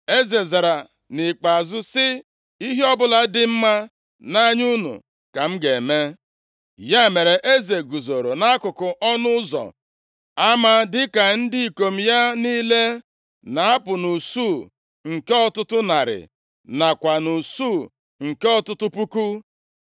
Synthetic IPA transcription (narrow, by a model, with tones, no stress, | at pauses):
e˦ze˨za˨ɾa˨ | nɪ˨k͡pa˨zʊ˦sɪ˦ | i˦ɦe˦ɔ˦bʊ˦la˨dɪ˦m̩˦ma˦ | na˦ɲu˦nṵ˨ | ka˨m̩˦ɡe˨me˦ | ja˦˨me˨ɾe˨ʔe˦ze˨ɡu˨zo˨ɾo˨na˦a˦kʊ˨kʊ˨ʔɔ˦nʊ˦zɔ̰˨ | a˦ma˦dɪ˦ka˨n̩˦dɪ˦i˨ko˨m̩˨ja˦niː˦le˦ | na˨a˦pʊ˨nu˨suː˦˨ | ŋ̩˨ke˦ɔ˦tʊ˦tʊ˦na˨ɾɪ̰˨ | na˨kʷa˨nu˨su˦˨ | ŋ̩˨ke˦ɔ˦tʊ˦tʊ˦pu˦ku˦